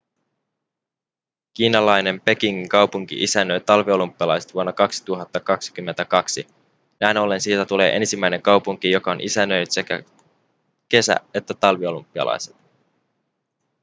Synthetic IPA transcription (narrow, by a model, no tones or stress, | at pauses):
k̟iːnɑlɑjne̞mpe̞kiŋːiŋkɑwpuŋk̟ḭʔisænːøjt̪ɑlʋio̞lumpːˑiɑlɑjset̪ʋuonːɑkɑksi̥t̪uɦɑt̪ːɑkɑksi̥k̟ymːent̪ækɑksi | næjno̞lːe̞nsiːt̪æt̪ule̞̰ːʔe̞nsimːæjne̞ŋkɑwpuŋk̟ijo̞kɑonʔisænːøjnyt̪se̞kæ̰ | ke̞sæ̰e̞t̪ːæt̪ɑlʋio̞lumpːiɑ̰lɑ̰jset̪